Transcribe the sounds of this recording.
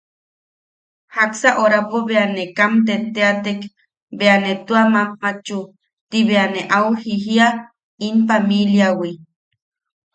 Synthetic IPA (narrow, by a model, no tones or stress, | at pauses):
haksaʔoɾapoβeanekamt̪et̪eat̪ek | beanet̪uamamːat͡ʃu | t̪iβeaneʔawhiɦia | inpamiljawi